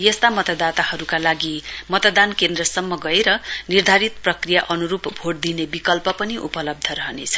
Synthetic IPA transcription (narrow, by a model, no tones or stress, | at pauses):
jʌst̪amʌt̪ʌd̪at̪ahʌɾukalaɡimʌt̪ʌd̪ankend̪rʌsʌmːʌɡʌeɾʌnird̪ʱaɾit̪prʌkrijaʔʌnuɾupbʱoɽd̪inebikʌlpʌpʌniʔṵpʌlʌb̚d̪ʱʌɾʌɦʌnet͡sʰʌ̥